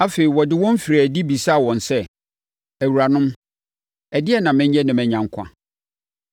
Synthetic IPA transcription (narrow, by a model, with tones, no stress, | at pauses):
a˦feː˨ɾi˨wɔ˨dɪ˦wɔ̃˦m̩˦fi˨ɾæ˨di˦bi˨sa˦˨wɔ̃˨nsɛ˦ | æ˨wu˨ɾa˨nʊ̃˦m | ɛ˨dɪ˦ɛ˦nã˨mɪ̃˦ɲ˦ɛ̃˦nɪ̃˨mɛ̃˨ɲã˨ŋ˦kʷʰã̰˦